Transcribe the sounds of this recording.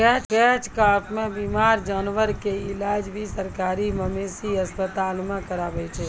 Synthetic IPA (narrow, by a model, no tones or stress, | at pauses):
ɛt͡ʃkɛt͡ʃkaʈmẽbimaːɾd͡ʒaːnʋəɾkeilaːd͡ʒbʱisəɾkaːɾiməmesiəspət̪aːlmẽkəɾabɛt͡ʃʰɛ